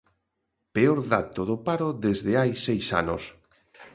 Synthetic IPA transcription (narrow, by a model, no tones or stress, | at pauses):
peoɾðat̪oðopaɾoðezðeajsejsa̰nos